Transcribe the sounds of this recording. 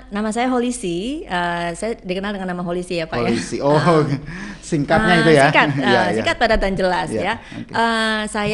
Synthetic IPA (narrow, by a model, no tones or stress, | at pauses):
namasajaɦolisiəsajadikənaldəŋanːamaɦolisiapajaisio | siŋkat̚ɲait̪ujaikat̪əasiŋkat̪̚padat̪and͡ʒəlasjaoʔəsaj